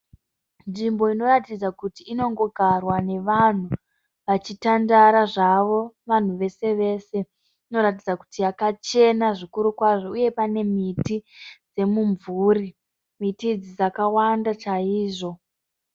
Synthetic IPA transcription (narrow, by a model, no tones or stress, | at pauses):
nʐimbo̞ino̞ratid͡zakutiːno̞ŋɡo̞ɡʱarwane̞ʋan̤u | ʋat͡ʃitandaɾaʐaʋo̞ʋan̤uʋe̞se̞ʋe̞se̞ | ino̞ɾatid͡zaku̥tijakat͡ʃe̞naʐikuɾukwaʐo̞uje̞pane̞mitid͡ze̞muɱvuri | mitid͡zid͡zakawandat͡ʃaiːʐo̞